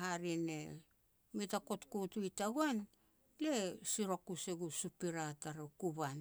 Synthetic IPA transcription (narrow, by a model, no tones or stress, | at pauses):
haɾine | mitakotkutuitaɡuan | lesiɾakuseɡusupiɾataɾakuβan